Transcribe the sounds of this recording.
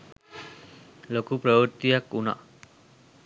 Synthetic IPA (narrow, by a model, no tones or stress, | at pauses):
lokupɾəwəɾt̪ijakuna̰